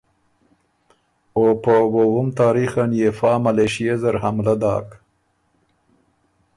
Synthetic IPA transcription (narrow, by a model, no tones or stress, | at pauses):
opəwowʊmt̪ɑːɾixanjefɑːmaleʃijezaɾhamlad̪ɑ̰ːk